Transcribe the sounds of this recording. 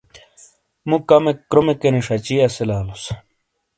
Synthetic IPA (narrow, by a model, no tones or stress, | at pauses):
mũkɐmekɾomekeniʂɐt͡ɕiɐselaːlos